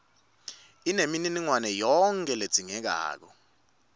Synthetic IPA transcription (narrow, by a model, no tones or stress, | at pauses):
inemininiŋwanɛjɔŋkʼɛle̥d͡z̥ʱiŋɛk̬a̰ːk̬ɔ